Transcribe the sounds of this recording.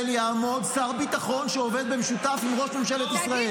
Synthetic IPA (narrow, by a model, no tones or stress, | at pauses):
ljaːmo̞d̪saʁbit̪aχo̞nʃeove̞d̪̚bemeʃut̪afimʁo̞ʃmemʃelet̪isʁae